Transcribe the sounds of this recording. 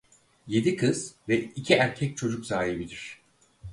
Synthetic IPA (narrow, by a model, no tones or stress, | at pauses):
je̞d̪ikʰɯz̥vɛicʰiæɾcʰɛc̚t͡ʃʰo̞d͡ʒukzaːɦibid̪iɾ̥